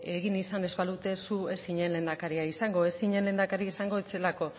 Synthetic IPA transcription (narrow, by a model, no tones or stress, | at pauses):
e̞ɣ̞inisane̞zβalut̪e̞sue̞siɲe̞nle̞nd̪akaɾiaisaŋɡo̞e̞siɲe̞nle̞nd̪akaɾiisaŋɡo̞et͡se̞lako̞